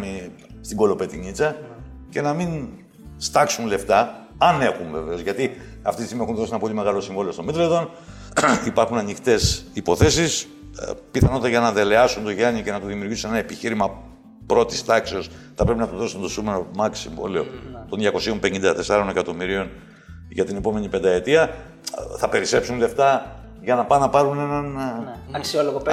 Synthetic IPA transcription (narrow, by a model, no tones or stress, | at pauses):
mi | st̪iŋɡo̞lo̞pet̪iɲit͡sɐce̞nɐmin | st̪ɐksunle̞ft̪ɐ | ɐne̞xuɱve̞ve̞o̞zʝɐt̪i | ɐ̰ft̪it̪isimiexunðo̞sienɐpo̞lime̞ɣɐlo̞siɱvoleo̞st̪o̞mit̪ɾeðo̞n | ipɐɾxunɐnixt̪e̞sipo̞θe̞sis | piθɐno̞t̪it̪ɐʝɐnɐðe̞le̞ɐsunt̪o̞ʝɐɲice̞nɐt̪oðimiuɾʝisunenɐepiçiɾimɐ | pɾo̞t̪ist̪ɐkseo̞sθɐpɾe̞pinɐt̪oðo̞sunt̪o̞sumenomɐksḭɱvo̰lio̞̰t̪o̞nðʝɐko̞sio̞mpeɲind̪ɐt̪e̞sɐɾo̞ne̞kɐt̪o̞miɾio̞n | ʝɐt̪ine̞po̞me̞ɲipend̪ɐe̞t̪iɐ | θɐpe̞ɾise̞psunle̞ft̪ɐ | ʝɐnɐpɐnɐpɐɾune̞nɐnɐksioloɣop